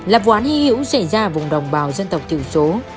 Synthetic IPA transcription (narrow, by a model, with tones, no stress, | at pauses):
laː˨˩p̚waː˨˦nhi˧˥hḭ˧˥wsa˧˩jzaː˧vʊ˨˩ŋ͡mɗə˨˩wŋ͡mɓaː˨˩wzə˧nt̪ə˨˩wk͡p̚t̪ʰi˧˩əwso˨˦